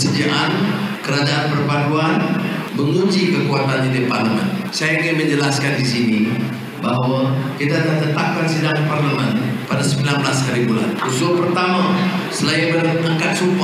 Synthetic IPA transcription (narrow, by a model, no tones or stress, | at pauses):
səd͡ʒaʔankəɾad͡ʒaʔanpərpaduanməŋuɲd͡ʒikəkuat̪anɲadiparləmɛ̰nsajaŋinməɲd͡ʒəlaskandisini | baɦwakit̪adat̪ət̪ap̚kansidaŋparləmɛnpadasəmbilanbəlasɦaɾibula̰nusulpərt̪ama | səlainbəraŋkat̪sumpɔ